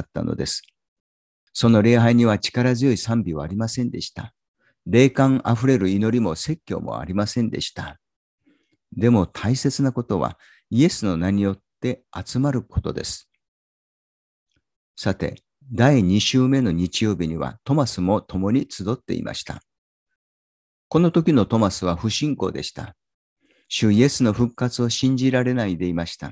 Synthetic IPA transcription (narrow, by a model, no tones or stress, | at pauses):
t̪ːa̰no̰d̪e̞sɨ̥ | so̞no̞ɾe̞ːɦaiɲ̟iβ̞at͡ɕi̥kaɾazɨjo̞isãmbʲiβaaɾʲimasẽ̞nd̪e̞̰ɕi̥t̪a | ɾe̞ːkãŋʔaɸɯ̟ɾe̞ɾɯ̟ino̞ɾʲimo̞se̞kʲːo̞̰ːmʔo̞̰a̰ɾʲimasẽ̞nd̪e̞̰ɕi̥t̪a | d̪e̞mo̞t̪ʰaise̞t͡sɨnako̞t̪o̞βa̰ | ie̞sɨno̞naɲ̟ijo̞t̪ːe̞at͡sɨmaɾɯ̟ko̞t̪o̞d̪e̞̰sɨ̥ | sat̪e̞̰ | d̪aiɲ̟iɕɨːme̞no̞ɲ̟it͡ɕijo̞ːbʲiɲ̟iβa̰t̪o̞masɨmo̞t̪o̞mo̞ɲ̟it͡sɨd̪o̞t̪ːe̞̰ḭmʔa̰ɕi̥t̪a̰ | ko̞no̞t̪o̞kʲino̞t̪o̞masɨβ̞aɸɯ̟ɕĩŋko̞ːd̪e̞̰ɕi̥t̪a | ɕɨie̞sɨno̞ɸɯ̟kːat͡sɨo̞ɕĩɲ̟d͡ʑiɾaɾe̞naid̪e̞imaɕi̥t̪a